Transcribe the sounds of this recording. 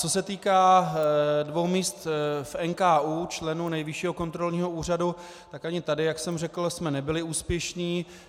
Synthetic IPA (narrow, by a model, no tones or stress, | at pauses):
t͡so̞sɛt̪iːkaː | dvo̞wmiːst̪fɛnkaːʔuːt͡ʃlɛnuːnɛjvɪʃiːɦo̞ko̞nt̪ɾo̞lɲiːɦo̞uːr̝adu | t̪akaɲɪt̪adɪjaksɛmrɛkl̩smɛnɛbɪlɪuːspjɛʃniː